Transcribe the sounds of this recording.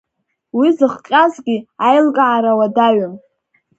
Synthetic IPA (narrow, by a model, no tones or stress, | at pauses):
wizɨχqʲʼazɡʲiajlkʼaʕaɾawadaɥam